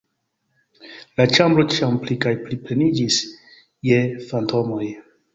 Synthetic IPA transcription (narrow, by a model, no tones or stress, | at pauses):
lat͡ʃambɾo̞t͡ʃiamplikajpliple̞nid͡ʒis | jefantʰo̞mo̞j